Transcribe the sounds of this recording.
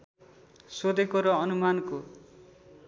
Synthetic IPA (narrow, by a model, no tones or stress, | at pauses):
sod̪ʱekoɾʌʌnumanko